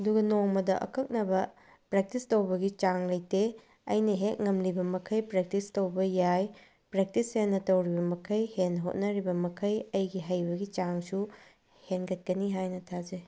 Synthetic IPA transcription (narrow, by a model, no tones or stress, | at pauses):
ɐduɡɐnoŋmɐdɐʔɐ̰kʰɐk̚nɐbɐ | pɾek̚tistɐwbɐɡit͡ʃaŋlɐjte | ɐ̰jnɐɦet̚ŋɐmlibɐmɐkʰɐjpɾek̚tistɐwbɐjaj | pɾek̚tishenːɐtɐwɾibɐmɐkʰɐjhenɦo̰t̚nɐɾibɐmɐkʰɐjɐjɡiɦɐjbɐɡit͡ʃaŋsu | henɡɐt̚kɐniɦajnɐtʰaze